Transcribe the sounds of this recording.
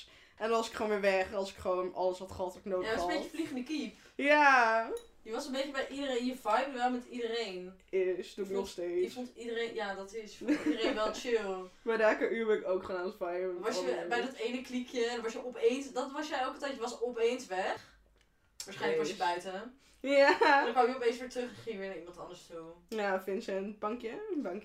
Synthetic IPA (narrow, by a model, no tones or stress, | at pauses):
ʔɛnɔsɪ̥kχoːnʋɪːʋɛχɑlˠsɪ̥kχəʋoːnɑləsʋɔtχɔtknoːjasəbejkəfliχəndəkip | ja | jəʋɑsənbejt͡ʃəbɛjʔidərenjəvajbəʋɛlˠmɛtidəɾejnɪsdunɔχstejəsfɔntidərenjaːdɔtɪsfdərenʋɛlˠt͡ʃɪlˠbɛdaːkəʔybəɪkowkχənaːntfajʋɑsjəbɛjdɑtejnəklikjədəʋɑsjəʔɔpejnsdɔtʋɑsjəɛlˠkətɛjtjəʋɑsɔpejnsʋɛχ | ʋaːɹsχɛjləkʋɑsəbœɥtə | jadəkɑnɪkjəɔpẽjnsʋɪːɹtrøχχɪŋʋɪːnaimɑ̃ntɑ̰ndəɹstujafɪnsənbɑŋkjəənbɑŋk